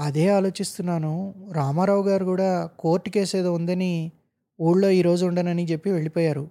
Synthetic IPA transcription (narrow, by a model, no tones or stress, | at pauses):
ɐd̪e̞ːaːlo̞ːt͡ʃist̪unːaːnuɾaːmaːɾawuɡaːɾukuːɽaːko̞ːɾʈːukeːseːd̪ɐund̪ɐni | uːɭlo̞ːiːɾo̞ːd͡ʒuuɳɖɐnɐnit͡ʃe̞pːiʋe̞ɭipoːjaːɾu